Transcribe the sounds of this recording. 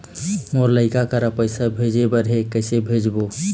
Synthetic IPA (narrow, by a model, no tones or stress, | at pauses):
moɾləɪkakəɾəpəɪsabʱed͡ʒebəɾɦekəɪsebʱed͡ʒbo